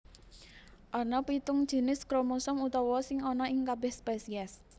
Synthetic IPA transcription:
ʔɔnɔpit̪ʊŋd̥ʒ̥i̤nɪskɾomusʊmut̪ɔwɔsɪŋɔnɔɪŋkabɛhspɛsiɛs

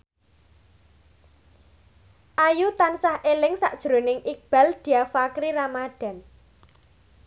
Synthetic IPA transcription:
ʔajut̪ansahʔelɪŋsaʔd̥ʒ̥ɾonɪŋʔik̚b̥a̤ld̪̥i̤afakɾiɾamad̪̥a̤n

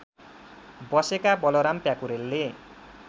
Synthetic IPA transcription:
bʌsekabʌlʌɾampjakuɾelːe

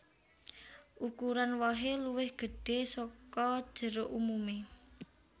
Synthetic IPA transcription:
ʔukuɾanwaɦeluwɪhɡ̥ə̤ɖ̥e̤sɔkɔd̥ʒ̥ə̤ɾoʔumume

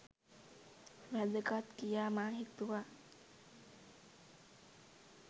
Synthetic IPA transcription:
ɾɐdəkat̪kijaːmaːɦit̪ːuʋaː

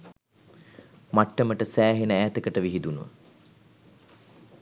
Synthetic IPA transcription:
maʈːəməʈəsæːɦenəæːt̪əkəʈəʋiɦid̪unuʋə̰

